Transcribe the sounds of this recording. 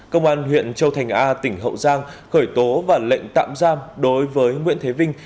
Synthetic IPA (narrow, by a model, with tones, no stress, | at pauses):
kə˧wŋ͡mʔaː˧nhwḭ˧˨ənt͡ɕə˧wt̪ʰa˨˩jŋ̟ʔaː˧t̪ï˧˩ŋ̟ɦə̰˧˨wzaː˧ŋxəː˧˩jt̪o˨˦vaː˨˩lḛ˧˨jŋ̟t̪a̰ː˧˨mzaː˧mɗo˨˦jvəː˨˦jŋwḭ˧˥ənt̪ʰe˨˦vï˧ŋ̟